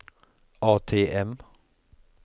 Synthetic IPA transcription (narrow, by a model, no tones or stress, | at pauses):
ʔɑːt̪ʰeːʔɛm